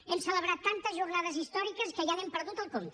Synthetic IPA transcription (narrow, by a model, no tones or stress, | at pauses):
ɛmsələβɾat̪ːant̪əzʒurnaðəzist̪ɔɾikəskəjanempəɾðut̪əlˠkomt̪